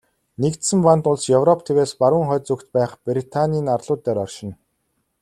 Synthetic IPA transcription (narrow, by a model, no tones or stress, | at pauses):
nekt̪sɘ̆mpant̪ʊɮsjɵwrɔp̚ʰt̪ʰeweːspaɾwə̆ːŋχœːt͡sukt̪pæːχprʲit̪ʰanʲiːnarɮʊːt̪ːæːɾɔrʃɪ̆n